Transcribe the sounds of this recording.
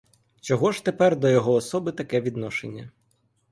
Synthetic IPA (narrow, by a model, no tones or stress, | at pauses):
t͡ʃɔɦɔʒ̥t̪epɛrd̪ɔjɔɦɔːsɔbɪt̪ɐkɛʋʲid̪nɔʃenʲːɐ̰